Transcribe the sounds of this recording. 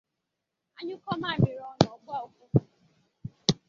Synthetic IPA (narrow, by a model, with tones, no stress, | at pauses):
a˦ɲʊ˦kɔ˦ma˦˨mɪ˨ɾɔ˨˦n˨ɔ˨bʷa˦o˨ku˦˨